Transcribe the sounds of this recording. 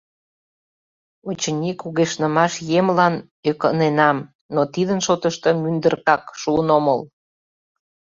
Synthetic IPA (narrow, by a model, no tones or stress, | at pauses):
ot͡ɕənʲikuɣeʃnəmɑʃjemlɑn | økənenɑm | not̪id̪ənʃot̪əʃt̪ə̽mynd̪ərkɑkʃuənoməl